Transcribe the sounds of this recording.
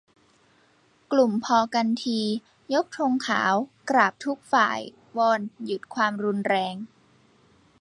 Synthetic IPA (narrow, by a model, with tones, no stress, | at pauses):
klu˨˩mpʰɔː˧ka˧nt̪ʰiː˧ | jo˦˥k̚t̪ʰo˧ŋkʰa̰ː˩˦wkɾaː˨˩p̚t̪ʰu˦˥k̚fa̰ː˨˩j | wɔː˧nju˨˩t̪̚kʰwaː˧mɾu˧nɾɛː˧ŋ